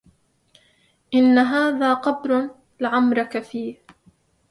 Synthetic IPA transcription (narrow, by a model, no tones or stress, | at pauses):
ʔɪnːaɦaːðaːqɑbɾ | lɪʕamɾˤɑkafiːh